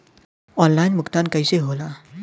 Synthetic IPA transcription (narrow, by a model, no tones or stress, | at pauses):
ɔnlajnmʊkt̪ankəjseɦola